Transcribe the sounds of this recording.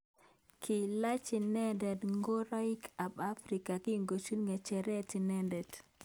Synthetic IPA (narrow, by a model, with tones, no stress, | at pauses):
kʰɪ˨la˦t͡ʃi˨nɛ˦ndɛ˨dŋɡo˦ɾa˦i˦kʰa˨ba˦fɾi˨ka˨ki˦ŋɡo˨t͡ʃu˦lŋa˨t͡ʃɛ˨ɾɛ˦ti˨nɛ˦ndɛ˨d